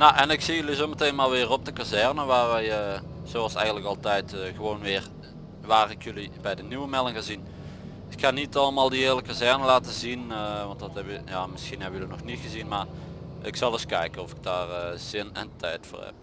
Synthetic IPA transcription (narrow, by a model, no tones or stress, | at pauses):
naʔɛnɪksijɵlizomətejnmaːlˠʋɪːrɔb̚dəkazɛrnəʋaːrʋɛjə | z̥oɑlˠsɛ̰jɣəntləkɑlˠtɛjtːɣəʋownʋɪːr | ʋaːrɪkjɵlibɛjdənyʋəmɛlˠəŋɣaːzin | ɪkxanitɑləmaːlˠdiɪːɹləkazɛrnəlaːtəzinəʋɑntdɑtɛbəjaːmɪsxinɦɛbəjəlinɔxnitxəzinmaːr | ɪksɑlˠɪskɛjkənɔfɪ̥ɡ̚daːrəz̥ɪnɛ̰ntʰɛjtfʊ̰ːrɹhɛ̰p̚